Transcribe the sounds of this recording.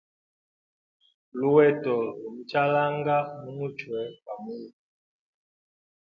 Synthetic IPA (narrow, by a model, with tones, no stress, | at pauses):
lu˦wɛ˦tɔ˨lu˨m̩˦t͡ʃa˦la˦ŋɡa˦mu˦mu˦t͡ʃwɛ˨ka˨mu˦i˨